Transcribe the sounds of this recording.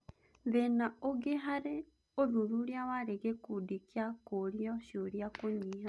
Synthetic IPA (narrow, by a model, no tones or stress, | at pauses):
βenaoɡeɦaɾe | oðuɾuɾjaβaɾeɣekudikjakoɾjɔʃoɾjakoɲiːɦa